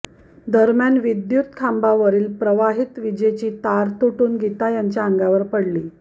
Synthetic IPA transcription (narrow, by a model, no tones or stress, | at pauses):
d̪əɾmjanʋid̪jut̪kʰambaʋəɾiːlpɾəʋaɦit̪ʋid͡ʑet͡ɕiːt̪aɾt̪uʈuːnɡʱit̪ajaɲt͡ɕjaəŋɡaʋəɾpəɽliː